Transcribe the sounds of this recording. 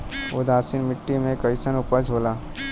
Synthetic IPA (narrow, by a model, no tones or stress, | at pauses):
od̪aːsinmɪʈːimẽkəɪsənʊpəɾd͡ʒʱoːlaː